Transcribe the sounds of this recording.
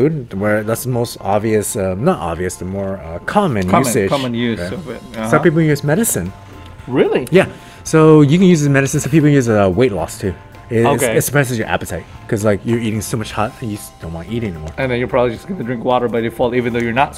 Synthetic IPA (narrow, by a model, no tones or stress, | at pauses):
udⁿwə˞ðætsðəmoʊstɑbviɨsʌ̃nəɾʔɑ̰bviɨsð̥əmɔɹʌkʰɑmɨ̃njʉsɪ̥ɑm̃njʉʌvɪt̚sʌ̃pip̬l̩ˠkʰjʉzmɛɾɨsɨ̃n | ɹɪlˠijæ | soʊjɨkɨ̃njʉzɪsmɛɾɨsɨ̃nsoʊpip̬l̩ˠjʉzʌweɪtˡlɔ̰stʰʉ | ɪoeɪtsə̥pʰɹ̥ɛsɨzjə˞ʔæ̰pɨtʰaɪt̚kʰʌzlaɪkjə˞iɾɪ̃ŋsoʊmʌt͡ʃhɑt̚ɨ̃njɨd̥õʊ̃nwãɪ̃niɾɪ̃ŋɛnimɔɹɨ̃nðɨ̃njə˞pʰɑbəblid͡ʒʌsɡ̥ʌnɨdɹɪ̃ŋkwɔɾə˞bʌt͡ʃ̚ɨfɔlˠivɨ̃nðoʊjə˞nət